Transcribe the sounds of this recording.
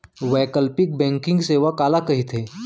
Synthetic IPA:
ʋɛːkəlpɪk̚bɛ̃ːŋkɪ̃ŋɡseːʋakaːlakɐɦit̪ʰeː

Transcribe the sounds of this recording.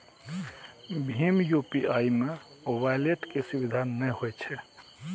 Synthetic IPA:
bʱimjupiaimeoʋajleʈkesubid̪ʱanːɛhojt͡ʃʰɛ

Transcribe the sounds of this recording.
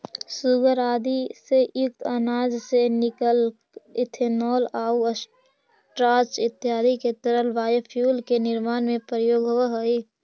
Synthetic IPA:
sʊɡəɾaːd̪iseɪk̚t̪ənaːd͡ʒsenɪkəl | ɪt̪ʰenɔːlaːuəs | ʈɾaːt͡ʃɪt̪ːjaːd̪iket̪əɾəlʋaːjəpʰjuːlkenɪɾmaːnmẽpɾəjoːɡɦoʋaɦoi

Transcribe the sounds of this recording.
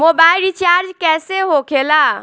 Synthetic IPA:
mobailɾit͡ʃaɾd͡ʒkɛseɦokʰela

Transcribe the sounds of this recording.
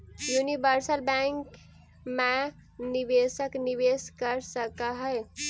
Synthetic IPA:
junibəɾsəlbɛ̃ŋk | me | nibesəkniʋeskəɾsəkəɦəɪ

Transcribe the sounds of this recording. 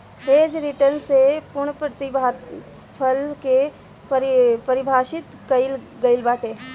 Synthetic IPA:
ɦeːd͡ʒɾɪʈəɾnsepʊɾɳ̃pɾət̪iba | pʰəlke | pɾpɐɾɪbʱaːʃɪt̪kɐɪl | ɡɐɪlbaːʈeː

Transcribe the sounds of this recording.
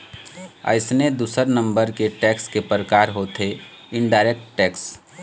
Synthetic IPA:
ə̰ɪsned̪uːsəɾnə̃mbəɾkeʈɛːkskepəɾəkaːɾɦot̪ʰe | ɪɳɖaːɪɾek̚ʈːɛːks

